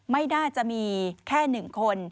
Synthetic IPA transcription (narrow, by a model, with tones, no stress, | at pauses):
ma˥˩jnaː˥˩t͡ɕa˨˩ʔmiː˧kʰɛː˥˩nɯ˨˩ŋkʰo˧n